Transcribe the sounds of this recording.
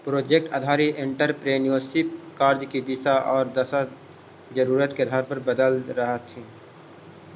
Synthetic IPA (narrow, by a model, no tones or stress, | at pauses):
pɾoːd͡ʒeːk̚ʈɐ̰d̪ʱaːɾiʔẽɳʈəɾpɾeːnijoːsipkaːɾd͡ʒkid̪ɪsaʔɔːɾd̪ɐsa | d͡ʒəɾuːɾət̪keɐd̪ʱaːɾpɐɾbəd̪əlɾəɦət̪ʰːĩ